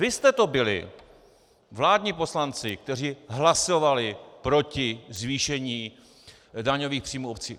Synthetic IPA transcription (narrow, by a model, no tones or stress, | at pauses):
vɪst̪ɛt̪o̞bɪlɪ̰ | vlaːdɲipo̞slant͡sɪk̚t̪ɛr̝iːɦlaso̞valɪpɾo̞cɪzviːʃɛɲiː | daɲo̞viːxpr̝̥iːmuːop̚t͡sḭː